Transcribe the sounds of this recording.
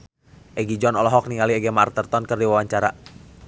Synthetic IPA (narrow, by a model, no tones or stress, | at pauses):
ʔɛɡid͡ʒɔnɔlɔɦɔk̚niŋaliɛɡɛmart̪ərt̪ɔnkɨrdiwawaɲt͡ʃaɾa